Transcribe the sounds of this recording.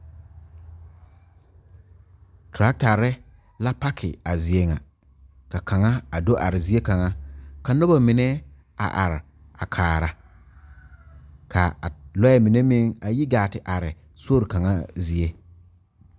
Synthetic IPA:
tɾa˦k̚ta˨ɾɪ˦ | la˦pa˦kʰɪ̰˨a˨zi˨e˨ŋa̰˨ | ka˨ka˨ŋa˦a˨do˦ʔa̰˨ɾɪ˨zi˦e˦ka˨ŋa˦ka˨nʊ˦ba˨mɪ˨nɛ˦ | a̰˨ʔa̰˨ɾɪ˨ | a˨kʰaː˨ɾa˨ | kʰa˨lɔ˦ɛ˨mi˨ne˦mɪ˦ŋa˨ji˦ɡaː˨tɪ˨ʔa˨ɾɪ˨ | so˦ɾka˨ŋa̰˦zi˨e˦

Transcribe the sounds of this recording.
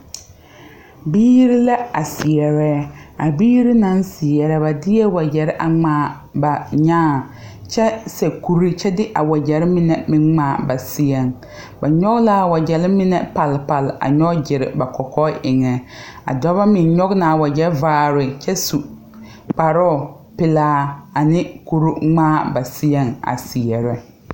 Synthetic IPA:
biː˦ɾi˦la˦a˨sɪ˨ɛ˨ɾɛː˦a˨biː˦ɾi˦nã˦nsɪ˨ɛ˨ɾɛ˦ba˨dɪ˦jɛ˦wa˨d͡ʒɛ˨ɾɪ˦ʔa˨ŋ͡maː˨ | ba˨ɲaː˦˨ | t͡ʃɛ˦sɛ˨ku˨ɾi˦t͡ʃɛ˦dɪ˦ʔa˨wa˨d͡ʒɛ˨ɾɪ˦mɪ˦nɛ˨mɪ˦ŋmaː˨ba˨sɪ˦ɛ˨ŋ | ba˨ɲɔ˦ɣla˦˨wa˨d͡ʒɛ˨lɪ˦mɪ˦nɛ˨pa˨lpa˨la̰˨ɲɔ˦d͡ʒɪ˨ɾɪ̰˨ba˨kɔ˨kɔ˦ʔɪ˨ŋɛ˨a̰˨dɔ˦ba˦mɪ˨nɲɔ˦ɣna˨wa˨d͡ʒɛ˦vaː˦˨ɾɪ˨t͡ʃɛ˦su˨ | k͡pa˨ɾɔ˦˨ | pɪ˨laː˦a˨nɪ˦ku˨ɾu˦ŋ͡maː˦˨ba˨sɪ˦jɛ˦ŋa̰˨si˨ɛ˨ɾɛ˦

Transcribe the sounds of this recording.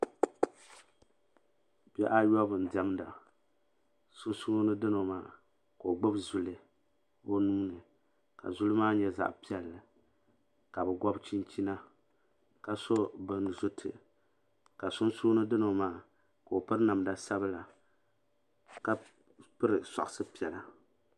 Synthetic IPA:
bɛ˦ʔa˦jɔ˦bɨ˨n˨dɛ˦mda˨ | sʊ˦n˦su˦o˦nɨ˦dɨ˦no˨maː˦˨ | ka˨o˨ɡ͡bʊ˦bzʊ˨lɨ˨ | o˦nuː˦nɨ˨ | ka̰˨zu˦lɨ˦maː˦ɲɛ˦za̰˨ʔpi˦ɛ˨lːɨ˨ | ka˨bɛ˨ɡʷɔ˦bt͡ʃi˦nt͡ʃi˦na˦ | ka˨so˦bɨ˨nzʊ˦tʰɨ̰˨ | ka˨sʊ˦nsu˦nɨ˦dɨ˦no˨maː˦˨ | ka˨o˨pɨ˦ɾna˨mda˦sa˦bɨ˦la˨ | ka˦ | pɨ˦ɾɨ˨sa̰˨ʔʊ˨sɨ˦pi˨ɛ˨la˦

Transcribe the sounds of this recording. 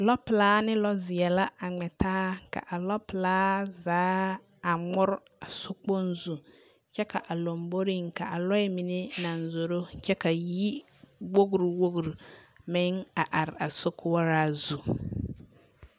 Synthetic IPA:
lɔ˦pɪ˨laː˦nɪ˦lɔ˦zɪ˨ɛ˨la˦a˨ŋ͡mɛ˨tʰaː˦ka̰˨ʔa˨lɔ˦pɪ˨laː˦zaː˨˦ | a˨ŋ͡mʊ˦ɾa˨sʊ˦k͡po˦n˦zu˨ | t͡ʃɛ˦ka˨ʔa˨lo˨mbo˦ɾi˦˨ŋka˨ʔa˨lɔ˦ɛ˦mi˨ne˦na˨nzo˨ɾo˦t͡ʃɛ˦ka˨ji˦ | wo˦ɡɾi˨wo˦ɡɾi˨mɪ˦ŋa˨ʔa˨ɾɪ˨a˨so˦kʰʊ˦ɔ˦ɾaː˦zu˨

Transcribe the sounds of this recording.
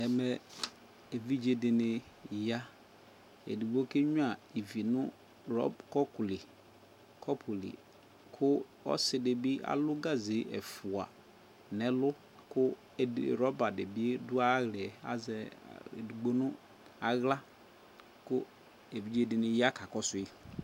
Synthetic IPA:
ɛ˨mɛ˨ | e˨vi˦d͡ʒe˨dɪ˨nɪ˨ | ja˦ | ḛ˨du˨ɡ͡bo˦ke˦ɲu˦a˨i˨vi˨nʊ˦ | ɾɔ̰˦kɔ˦kʊ˨lɪ˨ | kɔ˦pʰu˨lḭ˨ | kʰʊ˦ | ɔ̰˦sɪ˨de˨bi˦a̰˨lʊ˦ɡa˦ze˨˦ɛ̰˨fu˨a˨ | nɛ˨lʊ˦ | kʊ˦˨ | ɾɔ˦ba˨dɪ˨bi˦e˦dʊ˦a˦ɣlɪ˨ɛ˨a̰˨zɛ˨ḛ˨du˨ɡ͡bo˦nʊ˦ | a˨ɣla˦ | kʊ˦ | e˨vi˦d͡ʒe˦˨dɪ˨nɪ˨ja˦ka˨kɔ˦sʊ˨˦i˦

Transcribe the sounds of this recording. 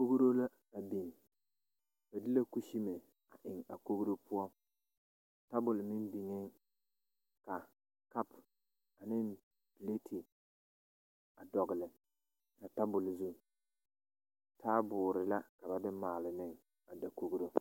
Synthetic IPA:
ko˦ɡɾo˦la˦ | a˨bi˨n˨ | ba˨dɪ˦la˦ku˦ʃi˦me˨ | a˨ʔɪ˨ŋa˨ko˦ɣɾo˦pʰʊ˦ɔ˦˨ | ta˦bʊ˨lmɪ˦nbi˨ŋɪ˦ŋ | ka˨ | ka˦p | a˨nɪ˦n | pi˨le˦tʰɪ˨ | a˨dɔ˨ɡɪ˨lɪ˨ | ka˨ta˦bʊ˨lzu˦˨ | tʰaː˦bʊː˨ɾɪ˨la˦ka˨ba˨dɪ˦maː˨lɪ˨nɪ˦ŋ | a˨da˨ko˦ɡɾo˦

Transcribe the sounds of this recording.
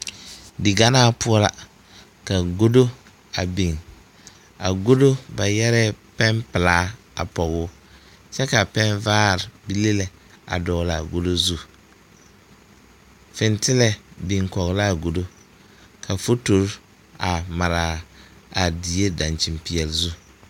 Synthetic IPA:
dɪ˨ɡa˦naː˦pʊ˦ɔ˦la˨ | ka˨ɡo˦do˦ | a˨bi˨ŋ | a̰˨ɡo˦do˦ba˨jɛ˦ɾɛ˦pɛ˦mpɪ˨laː˦ | a̰˨pɔ˨ɣʊ˦ | t͡ʃɛ˦ka˨pɛ˦nvaː˦˨ɾɪ˨bi˦le˦le˨ | a̰˨dɔː˨la˨ɡo˦do˦zu˦ | fɪ˨ntɪ˦lɛ˨bi˨ŋkɔ˨ɣla˦˨ɡo˨do˦ | kʰa˨fo˦to˨ɾ | a˨ma˨ɾa˨a˨di˨e˦da˨nt͡ʃi˨mpi˨ɛ˨lzu˦

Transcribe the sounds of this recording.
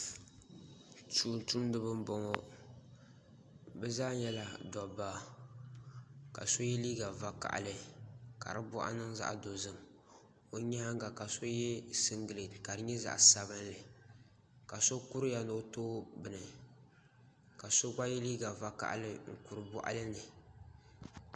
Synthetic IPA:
tuː˨n˨tu˦mdɨ˦bɨ˦m˦bɔ˦ŋɔ˦ | bɛ˦zaː˦ɲɛ˦la˨dɔ˨baː˦˨ | ka̰˨so˦jɛ˦liː˦ɡa˨va˦ka̰˨ʔa̰˨lɨ˨ka̰˨ɾɨ˦bʊ˦ʔa̰˦nɨ˦ŋza̰˦˨ʔdo˨zɨ˦ŋ | o˨ɲa˦ŋ˦ɡa˨ka˨so˦jɛ˦sɨ˦ŋɡɨ˨le˨ka˨ɾɨ˦ɲɛ˦za̰˨ʔsa˦bɨ˦n˦lɨ˨ | ka˨so˦ku˦ɾɨ˦ja˨no˨˦toː˦bɨ˨nɨ˨ | ka˨so˦ɡa˦jɛ˦liː˦ɡa˨va˦ka̰˦ʔlɨ˦ŋ̩˨ku˨ɾɨ˨bɔ̰˦ʔa̰˦lɨ˦nɨ˨

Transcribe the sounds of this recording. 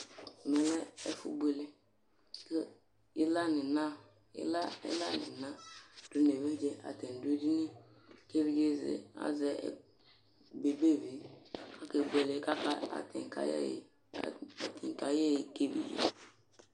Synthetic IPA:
mɛ˨˦lɛ˦ɛ˦fṵ˦bʷe˨le˦ | ke˦ | i˦la˦ni˨na˦ | ḭ˦la˦ɛ̰˦la̰˦˨nḭ˨na˦du˨˦ne˨βe˦d͡ʒɛ˦a̰˨tɛ˨n˨du˦di˦ni˦ | ke˦βi˦ɡe˦zḛ˨a̰˦zɛ̰˨ | be˨be˦˨vi˨ka˦ke˨bʷe˨le˨˦ka˦ka˦a̰˨tɛ̰˨ŋ˨ka̰˨˦˨ | ti˨ŋ˨ka˨jɛ˦ji˨ke˦bḭ˨jḛ˨

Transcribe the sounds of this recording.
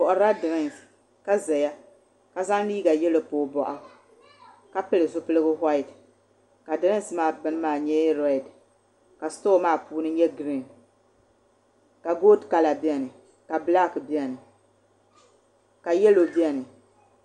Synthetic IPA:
pɔ˨ʔʊ˨ɾa˦dɨ˨ɾɪ˦˨n˨s | ka˦zɛ˨ja˦ | ka˨za˦ŋ˦liː˦ɡa˨jɛ˦lo˨˦poː˨bɔ˦ʔɔ˦ | ka˦pɨ˦lɨ˨zʊ˦pɨ˦lɨ˦ɡʊ˦ɦa˦ɪ˨d | ka˨dɨ˨ɾɪ˦n˦smaː˦˨bɨ˦n˦maː˦˨ɲɛ˦ɾɔ˨˦i˨d | ka˨stoː˦maː˦puː˦nɨ˦ɲɛ˦ɡɾi˨n | ka˨ɡoː˦dka˨la˨bi˦ɛ˨nɨ˨ | ka˨bla˦kɨ˨bi˦ɛ˨nɨ˨ | ka˨jɛ˦lo˨bi˦a˦˨nɨ˨

